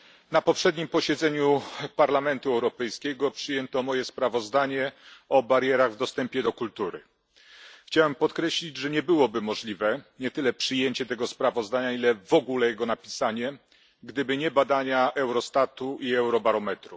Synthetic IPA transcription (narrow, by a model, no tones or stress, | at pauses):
napɔpʂɛd̪ɲimpɔɕɛd̪zɛɲupaɾlamɛnt̪uɛwɾɔpɛjskʲɛɡɔpʂɘjɛnt̪ɔmɔjɛspɾavɔzd̪aɲɛɔbaɾjɛɾaɣvd̪ɔst̪ɛmpʲjɛd̪ɔkult̪uɾɘ̰ | xt͡ɕawɛmpɔt̪kɾɛɕlʲid͡ʑʐɛɲɛbɘwɔbɘmɔʐlʲivɛɲɛt̪ɘlɛpʂɘjeɲt͡ɕɛt̪ɛɡɔspɾavɔzd̪aɲailɛvɔɡulɛjɛɡɔnapʲisaɲɛ | ɡd̪ɘbɘɲɛbad̪aɲaʔɛwɾɔst̪at̪uʔiɛwɾɔbaɾɔmɛt̪ɾu